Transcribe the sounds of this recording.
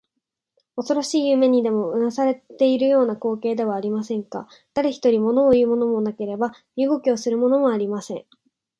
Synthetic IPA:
o̞so̞ɾo̞ɕiːjɯːme̞ɲ̟id̪e̞mo̞ɯ̟ãsaɾe̞t̪e̞iɾɯ̟jo̞ːnako̞ːke̞ːd̪e̞β̞aːɾʲimasẽ̞ŋka̰ | d̪̥aɾeçi̥t̪o̞ɾʲimo̞no̞ːjɯ̟ːmo̞no̞mo̞nake̞ɾe̞ba | jɯ̟ːɡo̞kʲio̞sɨɾɯ̟mo̞no̞moaɾʲimasẽ̞ŋ

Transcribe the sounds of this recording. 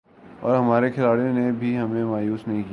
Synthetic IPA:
ɔ̰ːɾɦɐmaːɾexʰɪlaːɽijõnebʱiɦɐmẽmaːjuːsnɐɦĩki

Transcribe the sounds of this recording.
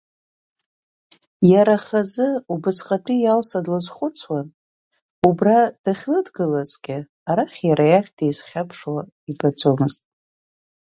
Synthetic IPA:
jaɾaχazɨubɨsχʼatʰijalsadlɨzχʷʊt͡sʰwan | ubrad̥aχʲlɨdɡɨlazɡʲɪ | aɾaχʲjaɾajaχʲdejzχʲapʰʂwa | ibad͡zomɨztʼ

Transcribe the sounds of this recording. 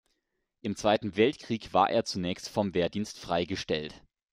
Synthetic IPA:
ʔɪmt͡sv̥aɪtn̩vɛltkʁ̥iːkv̥a̰ːɐʔḛːɐt͡sunɛːçstfɔmveːɐdiːnstfʁ̥aɪɡəʃtɛlt

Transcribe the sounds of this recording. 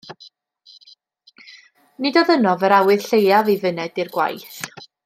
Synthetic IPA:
nɪdɔðənɔvəɾawɨðɬejavivənɛdirɡwa̰jθ

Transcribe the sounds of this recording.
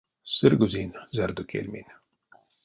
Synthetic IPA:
səɾɡuzinzaɾd̪ukʰḛlmḭn

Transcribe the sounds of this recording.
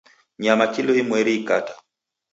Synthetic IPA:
ɲamakilɔimwɛɾikatḁ

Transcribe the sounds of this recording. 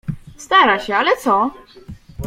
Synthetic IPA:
st̪aɾaɕɛalɛt̪sɔ

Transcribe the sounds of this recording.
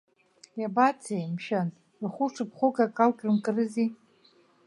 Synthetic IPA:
jabat͡sʰejmʃan | rχʷʊʈ͡ʂʰɨpʰχʷʊkʼakʼalkʲʼrɨmkʼɨrɨzi

